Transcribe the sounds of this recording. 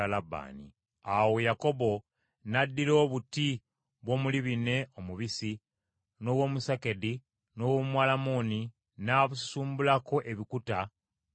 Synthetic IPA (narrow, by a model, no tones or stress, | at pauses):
alaba̰ːnḭ | awojako̞bo̞ | nadːilo̞ːβuti | βwo̞ːmuliβine̞omuβisi | no̞wo̞ːmusake̞di | no̞womwaːlamoni | naβussuːmbulako̞ʔe̞βikuta